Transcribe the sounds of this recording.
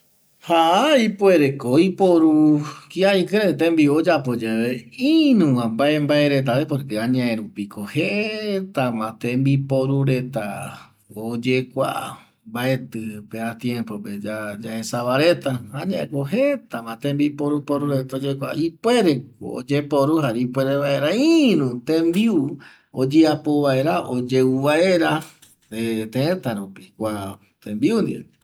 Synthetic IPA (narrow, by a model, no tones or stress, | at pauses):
haʔaipwe̞ɾekoipoɾukiaikɨɾet̪ẽmbiod͡ʒapo̞d͡ʒeβeĩnũwãmbaembaeɾe̞t̪̬aβepoɾkeãɲãʔẽɾupikoheet̪amãt̪ẽmbipoɾuɾe̞t̪a̰ | od͡ʒekʷa̰ | mbaet̪ɨpeat̪jẽmpo̞ped͡ʒad͡ʒaẽsaβaɾet̪aãɲãʔẽkoɦet̪amãt̪ẽmbipoɾupoɾuɾet̪aod͡ʒekʷa̰ʔipweɾe̞o̰o̰d͡ʒepoɾuɦaɾeipweɾeβaeɾaĩnũt̪ẽmbiu | od͡ʒeapoβaeɾaʔod͡ʒeuβaeɾa | et̪ẽẽt̪aɾupikʷa | t̪ẽmbiund̪ḭe